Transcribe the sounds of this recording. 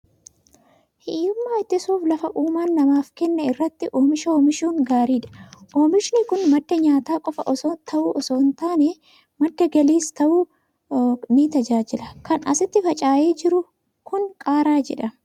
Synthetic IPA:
hiːʊmːaːɪt̪ːɪsuːflɐfɐʔuːmaːnːɐmaːfkɛnːɐɪrːɐt̪ːɪʔoːmɪʃɐoːmɪʃuːŋɡaːɾiːᶑɐ̥ʔoːmɪʃnɪkʊnmɐd̪ːɐɲaːt̪aːkʼɔfɐʔɔsoːt̪ʰɐʔuːʔɔsoːnt̪aːnɛ | mɐd̪ːɐɡɐliːst̪ɐʔuː | nɪt̪ɐd͡ʒaːd͡ʒɪlɐkɐnɐsɪt̪ːɪfɐt͡ʃʼaːjeːd͡ʒɪɾʊ | kʊnkʼaːɾaːd͡ʒɛ̰ᶑɐ

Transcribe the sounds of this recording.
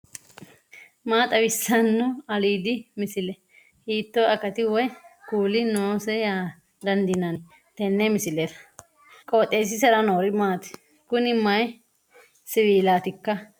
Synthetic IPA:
maːt̪ʼɐwɪsːɐnːʊɐliːd̪ɪmɪsɪlɛ | hiːt̪ːoɐkɐt̪ɪwɔjkuːlɪnoːsɛjaː | d̪ɐnd̪ɪnɐnɪ | t̪ɛnːɛmɪsɪlet̪ɐ̥ | kʼoːt̪ʼːeːs̬ɪs̬ɛɾɐnoːɾɪmaːt̪ɪ̥ | kʊnɪmːɐj | sɪwiːlaːt̪ɪkːɐ

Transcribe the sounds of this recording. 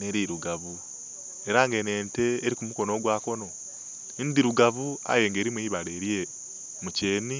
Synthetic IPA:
neɾiɾuɡaβu | e̞ɾaŋɡe̞ne̞ːnte̞ːɾikumuko̞noːɡwaːko̞no̞ | ndiɾuɡaβua̰je̞ŋɡe̞ːɾimweiβaleːɾije | muce̞ːni

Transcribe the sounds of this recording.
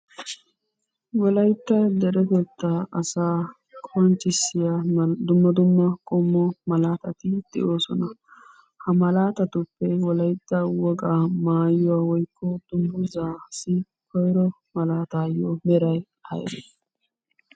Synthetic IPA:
wɔlɐjt̪ːɐd̪ɛɾɛt̪ɔt̪ːaɐsaː | kʰɔnt͡ʃːɪsːɪjad̪ʊmːɐd̪ʊmːɐkʼɔmːɔmɐlaːt̪ɐt̪ɪd̪̥ɛ̰ʔoːsɔnɐ | hɐmɐlaːt̪ɐt̪ʊpːɛwɔlɐjt̪ːɐwɔɡʼamaːjʊwaːwɔjkʰːɔd̪̥ʊmbʊzaːsɪ | kɔjɾɔ | mɐlaːt̪aːjɔmɛɾɐj | ʔɐ̰j̰dɛ̰

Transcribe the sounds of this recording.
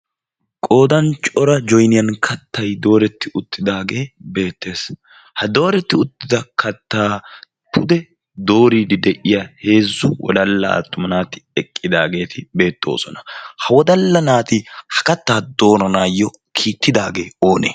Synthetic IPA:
kʼo̞ːd̪ɐnt͡ʃʼɔɾɐd͡ʒɔjnɪjɐnkʰɐt̪ʰːɐjd̪o̞ːɾɛt̪ːɪʔʊt̪ːɪd̪aːɡe̞ːbe̞ːt̪ːe̞ːs | hɐd̪o̞ːɾɛt̪ːɪʊt̪ːɪd̪ɐkʰɐt̪ːaː | pʰʊd̪ɛ | d̪o̞ːɾiːd̪ɪd̪ɛʔɪjahe̞ːzːʊwɔ̰d̪ɐlːɐ̰ɐ̰t̪ːʊmɐnaːt̪ɪ̥ɛkʼːɪd̪aːɡe̞ːt̪ʰɪbe̞ːt̪ːo̞̰ːsɔnɐhɐwɔd̪ɐlːɐnaːt̪ɪhɐ̥kɐt̪ːaːd̪o̞ːɾɐnaːjːɔ | kʰiːt̪ːɪd̪aːɡe̞ːo̞ːnḛː

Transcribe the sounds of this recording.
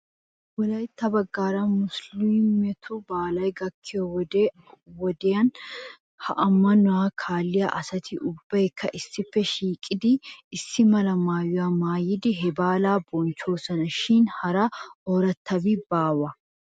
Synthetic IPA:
wɔlɐjt̪ːɐbɐɡːaːɾɐmʊslɪmɛt̪ʰɔbaːlɐjɡɐkʰːɪjɔw | wɔd̪ɛjɐn | hɐ̰ʔɐmːɐnʊwaːkʰaːlːɪjɐ̰ʔɐsɐt̪ʰɪʔʊbːɐjkʰːɐʔɪsːɪfːɛʃiːkʼɪd̪ɪːsːɪmɐlɐmaːjʊwamaːjɪd̪ɪɦɛbaːlaːbɔnt͡ʃːo̞ːsɐnɐʃɪnhɐɾɐoːɾɐt̪ːɐbɪbaːwɐ

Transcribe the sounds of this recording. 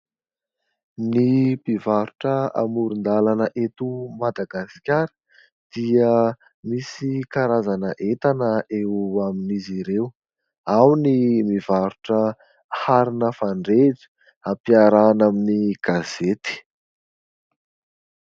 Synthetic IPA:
nipivaɾuʈ͡ʂəa̰muɾund̪alanəʔet̪umad̪aɡaskʲaɾə̥ | d̪̥iə | misikaɾazanəʔet̪anəʔewaminiziɾew | awnimivaɾuʈ͡ʂə | haɾinəfaɳɖ͡ʐeʈ͡ʂi̥ | apiaɾanaminiɡ̥az̥et̪i̥

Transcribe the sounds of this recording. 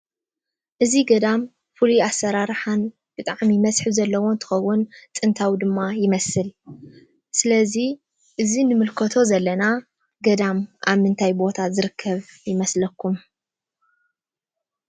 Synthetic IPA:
ʔɨziɡɐd̪am | fɨluasːɐɾaɾħan | b̥ɨt̪ʼaʕmimɐsħɨzɐlːɐwo̞nt̪ʰɨ̥xɐwːʊnt̪ʼɨnt̪ʰawid̪ɨmːajɪmɐsɨl | sɨlɐzi | ʔɨzinɨmɨlkʰɐt̪ʰo̞zɐlːɐna | ɡɐd̪amʔaβmɨnt̪ʰajbo̞t̪ʰazɨɾɨkʰːɐβjɪmɐslɐkʰːum

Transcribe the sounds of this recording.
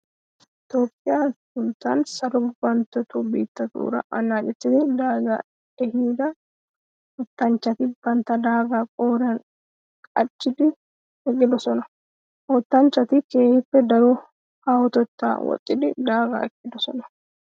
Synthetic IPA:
ɪt̪oːpʼːɪjaːtʊnt̪ːaːnsɐlɔbbɐnt̪ɔt̪uːbḭːt̪ːɐt̪ṵːɾɐ̰ʔɐ̰naːd͡ʒɛt̪ːɪd̪ɪd̪aːɡɐ̰ | ɛhiːd̪ɐ | hɔt̪ːɐnt͡ʃːɐt̪ɪb̥ɐnt̪ɐd̪aːɡɐkʼoːɾɐn | kʼɐt͡ʃːɪd̪ɪ | hɛɡʼɪd̪ɔsɔnɐ | hɔt̪ːɐnt͡ʃːɐt̪ɪkeːhɪfːɛd̪ɐɾu | hawʊt̪ɔt̪ːa̰ːwɔ̰t̪ʼːɪd̪ɪd̪aːɡɐ̰ɛkːɪd̪ɔsɔnɐ̥

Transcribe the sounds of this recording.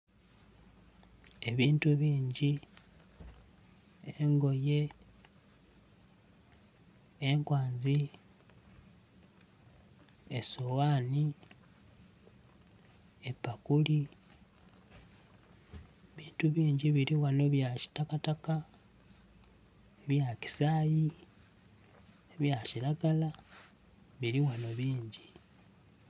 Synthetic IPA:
e̞βiːntuβiːɲɟi | eŋɡo̞je̞ | ŋkwaːnzi | esowaːni | epːakuli | βiːntuβiːɲɟiβiɾiwano̞βjaci̥takataka | βjaci̥saːji | βjaciɾaɡala | βiɾiwano̞βiːɲɟi

